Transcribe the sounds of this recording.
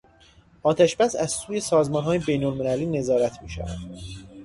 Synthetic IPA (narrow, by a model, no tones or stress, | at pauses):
ʔɒːt̪ʰæʃbæsæzsuːje̞sɒːzmɒːnɦɒːjebe̞jnolme̞læliːne̞zɒːɾæt̪ʰmiːʃæ̰væ̰d̪̥